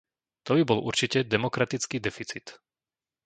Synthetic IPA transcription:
t̪ɔbibɔlʔṵɾt͡ʃicɛd̪ɛmɔkɾat̪it͡skiːd̪ɛfit͡sit̪

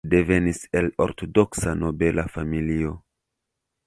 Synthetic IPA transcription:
de̞ve̞niselo̰ɾtodo̞ksano̞be̞lafamilio̞

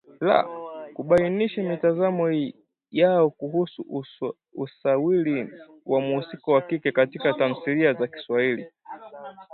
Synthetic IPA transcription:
la̰kuɓainiʃamitazamɔ | jaɔkuhusu | usawili | wamuusikɔwakikɛkatikatan̩siliazaki̥swahili

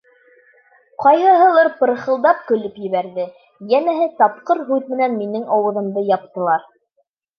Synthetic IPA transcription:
qɑjɦɤ̆ɦɤ̆lˠɤɾpɤ̆ɾχɤ̆lˠd̪ɑp̚kɵ̆lɘpjɘ̆βæɾðɘ | jænæɦɘt̪ɑp̚qɤɾɦʉðmɘ̆nænminɘŋɑwɤ̆ðɤ̆md̪ɤjɑp̚t̪ɤ̆lˠɑɾ

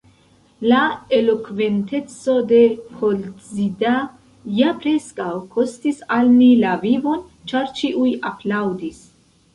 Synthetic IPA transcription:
laelo̞kve̞nte̞t͡so̞de̞hʰolt͡sida | japɾe̞skawkʰo̞stisalmilavivo̞n | t͡ʃaɾt͡ʃiʔujaplawdis

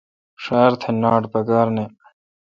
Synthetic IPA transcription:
ʂaːɾt̪ʰenaːʈpɐkaːɾne

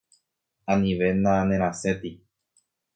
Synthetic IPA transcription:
ãnĩʋe̞nãnẽɾ̃ãse̞t̪i

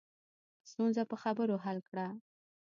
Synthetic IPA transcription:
st̪unzapəxabəɾoɦalkɽa

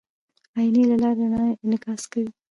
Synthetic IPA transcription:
ɑinelalɑɾanɑnɪkɑskawi

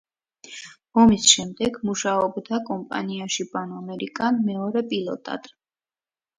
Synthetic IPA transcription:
ɔmisʃɛmd̪ɛɡmuʃaɔbd̪akʼɔmpʼa̰niaʃibanɔmɛɾikʼanmɛɔɾɛpʼilˠɔ̰t̪ʼa̰d̪ʼ

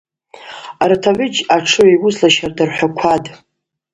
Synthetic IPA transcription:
artʰaʕʏd͡ʒaʈ͡ʂʰɨwajwʊzlaʃardarħʷᶣakʷʰad

